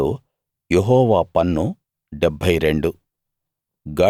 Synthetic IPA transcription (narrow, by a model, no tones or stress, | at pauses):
ṵ | jeɦɔːʋaːpɐnːu | ɖɛbʱːɐjɾe̞ɳɖu | ɡɐ